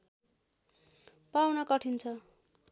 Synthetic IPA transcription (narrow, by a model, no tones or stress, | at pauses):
pawnʌkʌʈʰint͡sʰʌ